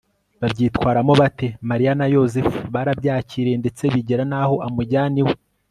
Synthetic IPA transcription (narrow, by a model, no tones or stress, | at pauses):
βabɟiːtwaːɾamo̞βate̞maɾianajo̞zefuβaɾabɟaːciːɾe̞nde̞t͡se̞βiɟeɾanaho̞ʔamuɟaːniwe